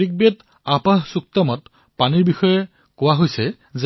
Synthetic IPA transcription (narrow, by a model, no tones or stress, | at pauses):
ik̚bet | apaɦsuk̚tɔmɔt | paniɹbixɔjɛ | kʊwaɦojsɛ | z